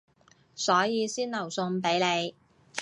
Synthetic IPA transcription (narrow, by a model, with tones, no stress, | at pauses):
sɔː˨˥jiː˨˧siː˥nlɐ˨˩wsʊ˧ŋpe˨˥jle˨˧j